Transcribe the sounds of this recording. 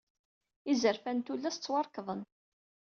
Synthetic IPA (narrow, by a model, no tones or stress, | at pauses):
izəɾfænt̪ulːæst͡sːwɑɾˤkðˤən